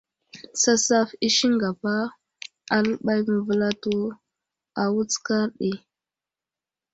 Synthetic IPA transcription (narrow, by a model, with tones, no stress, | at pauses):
sa˦sa˦fi˦ʃi˦ŋɡa˨pa˦ | a˨lə˦ɓa˦jmə˨və˨la˦tu˦ | a˨wu˦t͡ska˦ɾɗi˨